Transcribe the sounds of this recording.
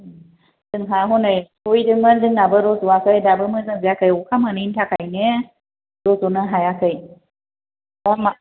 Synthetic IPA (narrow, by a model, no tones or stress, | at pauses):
dɯŋɦaɦɔnɯjtʰujdɯŋmɯndɯŋnabɯɾɔzuwakʰɯjdabɯmɯnɯzɯjakʰɯjɔkʰamɯnintʰakʰajnɯ | ɾɔzɔnɯɦajakʰɯj | ama